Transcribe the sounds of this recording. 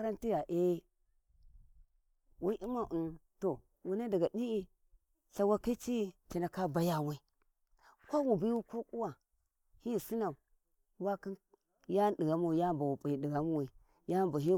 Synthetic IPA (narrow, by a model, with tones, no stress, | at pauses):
a˦ɾa˦nti˦ja˨ʔe˦ | wa˦ʔi˦ma˨ʔu˨nto˨ | wu˨na˦da˨ɡa˨ɗi˦i˦ | ɬa˨wa˦ka˦t͡ʃi˦˨t͡ʃi˨na˨ka˦ba˦ja˦˨wa˦i˦ | kʷa˦wu˨bi˦wu˦ko˦kʼu˦wa˨ | hi˦˨si˦na˨ | wa˦ki˦n | ja˦ɗi˨ɡa˨mu˦wja˦mba˨wu˨pʼi˨i˨di˨ɡa˨mu˦wi˨ | ja˦˨mba˨ɦi˦